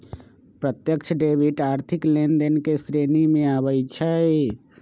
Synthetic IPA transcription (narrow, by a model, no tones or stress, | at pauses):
pɾət̪jəkt͡ʃʰəɖebʱiʈaːɾt̪ʰiklend̪enkesɾenimẽabəjt͡ʃʰəe